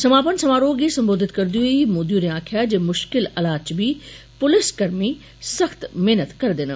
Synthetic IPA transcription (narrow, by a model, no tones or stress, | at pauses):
sɐmaːpənsɐmaːɾoːɡesɐ̃mboːd̪ɪt̪kɐɾd̪iuimoːd̪juːɾẽaːkʰijad͡ʑeːmʊʃkɪlɐlaːt͡ɕbʱi | pʊlɪskɐɾmi | sɐxt̪meːnət̪kɐɾd̪ɪn̆